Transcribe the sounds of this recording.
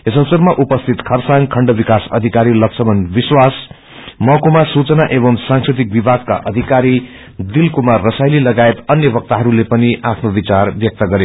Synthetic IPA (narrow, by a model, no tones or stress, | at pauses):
esʌsʌrmaʔupʌst̪ʰit̪kʰʌrsaŋkʰʌɳɖʌbikasʌ̰d̪ʱikaɾilʌksʰʌmʌnbiswas | mʌkomasut͡sʌnaʔebʌmsãŋsrit̪̬ik̚bibʱaɡ̚ka̰ʔʌd̪ʱikaɾi | d̪ilkumarːʌsajlilʌɡaet̪ʌnjʌbʌk̚t̪aɦʌɾulepʌniʔapʰnobit͡sarbjʌk̚t̪ʌɡʌɾe